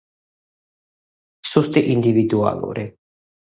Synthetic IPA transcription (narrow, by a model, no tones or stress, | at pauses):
sust̪iʔind̪ivid̪ua̰ːlṵɾi